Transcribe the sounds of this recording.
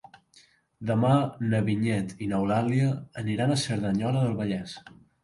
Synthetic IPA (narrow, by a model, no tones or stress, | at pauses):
d̪əmanəβiɲɛt̪inəwlaliəːniɾanəsəɾðəɲɔləðəlˠβəʎɛs